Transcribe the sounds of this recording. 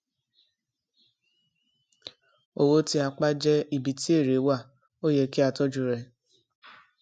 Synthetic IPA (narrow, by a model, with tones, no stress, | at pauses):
o˧wo˧ti˧a˧k͡pa˦d͡ʒɛ˧i˨bi˨ti˦e˦˨ɾe˨˦wa˦˨ | o˦jɛ˧ki˦a˧tɔ˦d͡ʒu˧ɾɛ˧˨